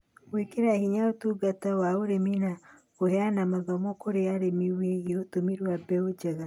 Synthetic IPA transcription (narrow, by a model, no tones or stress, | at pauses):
wekeɾahiɲaotuɡatawaoɾemina | ohɛanamaɣamɔkoɾeaɾemiweɣeotomiɾwabɛod͡ʒɛɣa